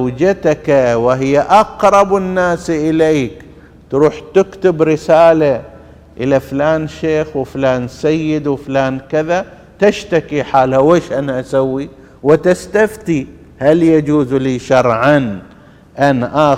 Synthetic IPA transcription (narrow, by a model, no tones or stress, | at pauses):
wd͡ʒat̪akawɪɦɪjːaʔɑqɾˤɑbɪnːaːsʔɪleːk | t̪ɾuːħt̪ɪkt̪ɪbɾɪsaːla | ʔɪlaflaːnʃeːxwɪflaːnsajːɪd̪wɪflaːnkɪða | t̪ɪʃt̪akiħaːlhaweːʃʔanaʔasawːi | wɪt̪ɪst̪aft̪i | haljad͡ʒuːzliːʃɑɾˤʕan | ʔanʔa